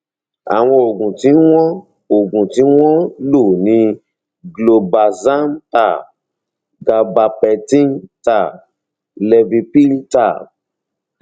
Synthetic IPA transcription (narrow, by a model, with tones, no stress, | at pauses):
a̰˨w̃ɔ̃˧o˨ɡũ˨ti˨˦w̃ɔ̃˦ | o˨ɡũ˨tĩ˨˦w̃ɔ̃˦lo˦˨nĩ˧˦ | ɡlo˨ba˨zã˦m˦ta˦˨ | ɡa˨ba˧pɛ˨tĩ˦nta˦˨ | lɛ˧vi˧pi˦lta˦˨